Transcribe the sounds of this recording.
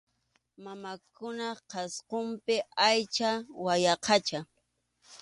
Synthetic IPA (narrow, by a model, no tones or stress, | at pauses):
mamakʊnɑqɑsqompɪajt͡ʃawajɑqʰɑt͡ʃa